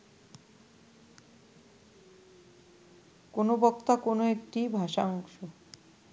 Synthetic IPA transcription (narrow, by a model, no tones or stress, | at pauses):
konobɔkt̪akonoek̚ʈibʱaʃaɔŋʃo